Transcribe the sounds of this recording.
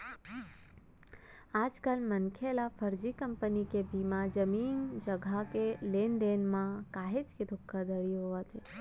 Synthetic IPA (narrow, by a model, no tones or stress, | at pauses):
ad͡ʒkalmənkʰelafʰəɾd͡ʒikəmpənikebimad͡ʒəmind͡ʒəɡʱakelend̪enmãkaɦed͡ʒkid̪ʰʱukʰːəd̪əɭiɦoət̪e